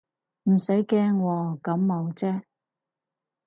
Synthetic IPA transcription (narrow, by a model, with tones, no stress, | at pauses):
m̩˨˩sɐ˨˥jkɛː˥ŋwɔː˨˧kɐ˨˥mːo˨˧wt͡sɛː˥